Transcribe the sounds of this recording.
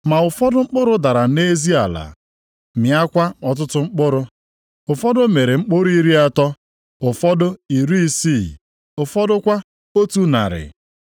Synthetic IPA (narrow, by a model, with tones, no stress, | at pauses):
ma˨ʊ˨fɔ˦dʊ˦ŋ͡m̩˦k͡pʊ˦ɾʊ˦da˨ɾa˨ne˦zi˦a˨la̰˨ | mja˦kʷa˦ɔ˨t̬ʊ˦tʊ˦ŋ͡m̩˦k͡pʊ˦ɾʊ˦ | ʊ˨fɔ˦dʊ˦me˨ɾe˨ŋ͡m̩˦k͡pʊ˦ɾʊ˦i˦ɾi˦a˦tɔ˦ | ʊ˨fɔ˦dʊ˦i˨ɾi˦si˦˨ | ʊ˨fɔ˦dʊ˦kʷa˦ | o˦tu˦na̰˨ɾɪ̰˨